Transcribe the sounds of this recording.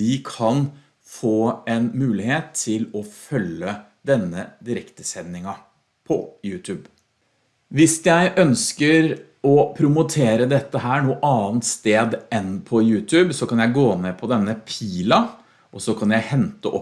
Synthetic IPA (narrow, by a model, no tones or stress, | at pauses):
ɪkʰɑn | foːɛnmʉːlɪheːt̪ʰːɪlɔfœlːə | d̪ɛnːəd̪ɪɾɛkt̪əsɛnːɪŋɑ | pʰɔ̰jʉːt̪ʰʉːb | ʋɪsjæɪʔœnskəɾ | ɔpʰɾʊmʊt̪ʰeːɾəd̪ɛt̪ːəɦæːɳuːəʔɑːnt̪st̪eːd̪ɛnpʰɔjʉːt̪ʰʉːbsɔkɑnjæɪɡoːneːpʰɔd̪ɛnːəpʰiːlɑ | ʔɔsɔkʰɑnjæɪhɛnt̪əʔɔ